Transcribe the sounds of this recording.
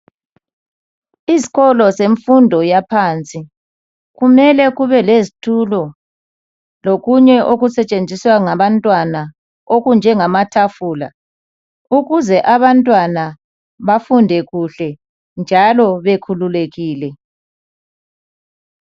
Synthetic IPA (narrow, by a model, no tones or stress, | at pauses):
izi̥ɣɔlɔseɱfundʱɔjapʰaːnt͡sʼi | ɣumɛlɛɣuβɛlezitʰulɔ | loɣuɲɛʔoɣusɛt͡ʃʼend͡zʱiswaŋaβantʼwana | oɣund͡ʒʱɛŋamatʰafuːla̰ | uɣuzɛʔaβantʼwana | βafundʱɛɣuɬɛ | nd͡ʒʱalɔβekʰululeɣiːlɛ